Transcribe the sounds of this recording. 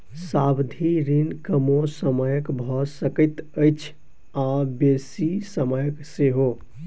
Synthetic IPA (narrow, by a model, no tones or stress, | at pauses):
sabd̪ʱiɾinkəmosəməjəkbʱɔsəkət̪əɪt͡ʃʰ | abesisəməjəkseɦo